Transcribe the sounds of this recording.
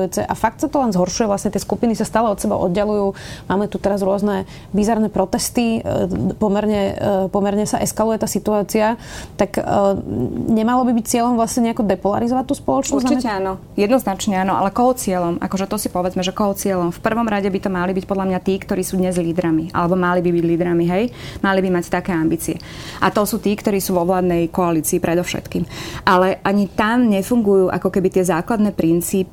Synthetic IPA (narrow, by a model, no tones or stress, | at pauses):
ut͡sɛ̰ʔafak̚t̪sat̪ɔlɛnzɦɔɾʃujɛʋlasɲɛt̪ɪɛskupinisast̪aːlɛɔt̪sɛba̰ʔɔ̰d̪ɟɛlujuːmaːmɛt̪ut̪ɛɾazɾʊɔznɛ | bizaɾnɛpɾɔt̪ɛst̪ipɔmɛɾɲɛpɔmɛɾɲɛsaʔɛskalujɛt̪aːsit̪uaːt͡siat̪akː | ɲɛmalɔbibic̚t͡sɪɛʎɔmvlasɲɛɲɛakɔd̪ɛpɔla̰ɾizɔʋac̚t̪uːspɔlɔt͡ʃnɔɾziɛanɔ | jɛd̪nɔznat͡ʃɲɛaːnɔʔa̰lɛkɔɦɔt͡sɪɛlɔmʔa̰kɔʒɛt̪ɔsipɔʋɛd͡zmɛʒɛkɔɦɔt͡sɪɛlɔmfpr̩ʋɔmɾaɟɛbit̪ɔmalibicpɔd̪lamɲat̪iːkt̪ɔɾiːsuːd̪ɲɛzliːd̪ɾamiʔa̰lɛbɔmalibibiɟliːd̪ɾamiɦɛjmalibimact̪akɛːambiːt͡siɛ | ʔat̪ɔsuːt̪iːkt̪ɔɾiːsuːʋɔʋlaːd̪nɛjkɔaliːt͡siːpɾʔɛd̪ɔfʃɛ̰t̪kiːmʔalɛʔaɲit̪amɲɛfuŋɡujuːʔa̰kɔkɛbit̪ɪɛzaːklad̪nɛːpɾint͡siːpi